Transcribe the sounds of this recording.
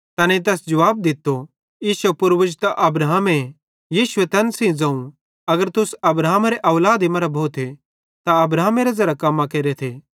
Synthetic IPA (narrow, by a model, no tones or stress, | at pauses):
t̪ɐːnit̪̬ɛːsd͡ʒɐʋaːb̚d̪ɪt̪ːo | jiːʃɐpʊɾʋʊd͡ʒt̪aʔɐbɾaːɦme | jiːʃʊet̪ɐnsĩd͡zɐ̃ũ | ɐɡəɾt̪ʊsɐbɾaːɦmaɾeʔɐʋlaːd̪imɐɾabʱoːt̪ʰe | t̪aɐbɾaːɦmeɾezɐɾakɐmːãkeːɾet̪ʰeː